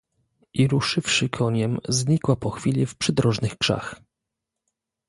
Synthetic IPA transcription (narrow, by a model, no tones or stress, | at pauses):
ʔiɾuʂɘfʂɘkʰɔɲɛmzɲikwapɔxfʲilʲifpʂɘd̪ɾɔʐnɘxkʂa̰x